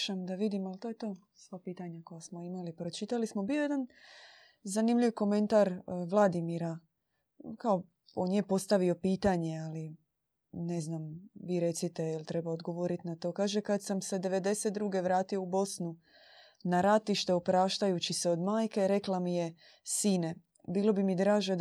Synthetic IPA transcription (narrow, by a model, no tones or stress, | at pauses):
ʃamd̪aʋid̪imalt̪o̞jet̪o̞ː | sʋapiːt̪aɲako̞jasmoimalipɾo̞t͡ʃit̪alismo̞bijo̞jed̪an | zanimlʎiʋko̞me̞nt̪aɾʋlˠad̪imiɾa | kao̞ | o̞nje̞po̞st̪aʋio̞piːt̪aɲe̞ali | ne̞znamʋiɾe̞t̪sit̪eilt̪ɾe̞baod̪ɡo̞ʋo̞ɾit̪inat̪o̞ːkaːʒe̞kad̪samse̞d̪e̞ʋe̞d̪e̞set̪̚d̪ɾuːɡe̞ʋɾaːt̪io̞ubo̞snu | naɾat̪iʃt̪e̞opɾaːʃt̪ajut͡ɕiseo̞d̪maːjke̞ɾe̞klamije | siːne | biːlo̞bimid̪ɾaːʒe